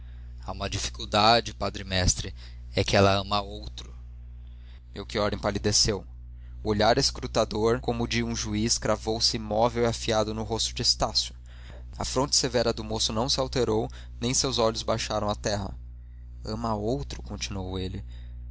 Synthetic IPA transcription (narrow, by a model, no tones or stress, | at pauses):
aũmɐd͡ʒifi̥kuwd̪ad͡ʒɪpad̪ɾɪmɛst̪ɾɪ | ɛkɪɛlɐɐ̃mɐowt̪ɾʊ | mewkiɔɾẽpalid̪esew | ʊoʎaɾeskɾut̪ad̪oɾkõmʊd͡ʒɪũʒuiskɾavowsɪimɔvewiafiad̪ʊnʊɦost̪ʊd͡ʒɪest̪asjʊ | ɐ̰fɾõnt͡ʃɪ̥sevɛɾɐd̪ʊmosʊnɐ̃w̃sɪawt̪eɾow | nẽj̃sewzɔʎʊzbajʃaɾɐ̃w̃at̪ɛɦɐ̰ | ɐ̃mɐowt̪ɾʊkõnt͡ʃinuowelɪ